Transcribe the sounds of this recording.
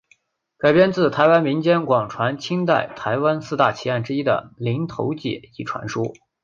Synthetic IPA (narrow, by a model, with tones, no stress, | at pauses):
ka˨˩ɪpjɛ˥nt͡sɹ̩˥˩t̪ʰa˧˥ɪwa˥nmi˧˥ŋt͡ɕjɛ˥nkwɑ˨˩ŋʈ͡ʂʰwa˧˥nt͡ɕʰi˥ŋt̪a˥˩ɪt̪ʰa˧˥ɪwa˥nsɹ̩˥˧t̪a˥˩t͡ɕʰi˧˥a˥˩nʈ͡ʂɻ̩˥i˥d̪ə̰˨˩li˧˥ŋt̪ʰo̰˧˥ʊt͡ɕjɛ̰˨˩i˥˩ʈ͡ʂʰwa̰˧˥nʂu˥